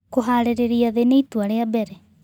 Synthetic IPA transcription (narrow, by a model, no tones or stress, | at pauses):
koɦaːɾeɾeɾiaðeneituaɾeabɛɾɛ